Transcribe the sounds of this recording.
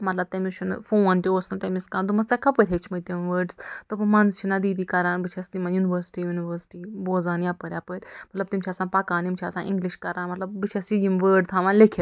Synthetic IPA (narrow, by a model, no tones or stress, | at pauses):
mɐt̪lɐb̚t̪ɐmit͡ʃʰunfoːnt̪ʲioːsnat̪ɐmiskaːnd̪umɐst͡sakʰɐpəɾʲɦet͡ʃʰmɐjʲt̪imʋəːɖst̪ɨpɨmɐnzt͡ʃʰinad̪iːd̪iːkɐɾaːnbɨt͡ʃʰɐst̪imãːnjunʋəːɾsʈiːjuniʋəɾsʈiːboːzaːnjapɐɾʲjaːpɨɾʲmɐt̪lɐb̚t̪imt͡ʃʰaːsãːpakaːnimt͡ʃʰa̰ːsã̰ːnʔḭ̃ŋɡliʃkɐɾãːnmɐt̪lɐbbɨt͡ʃʰɐsiɡimʋəːɖt̪ʰãʋãːnlekʰɐ